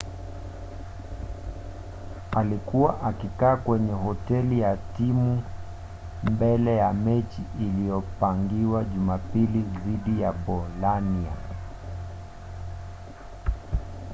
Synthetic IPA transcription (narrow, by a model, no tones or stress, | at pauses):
alikuwaʔakikaːkwɛɲɛɦɔtɛlijatimu | mbɛlɛjamɛt͡ʃiʔːlijɔpaŋɡiwaʄumapiliðiɗijaɓɔlania̰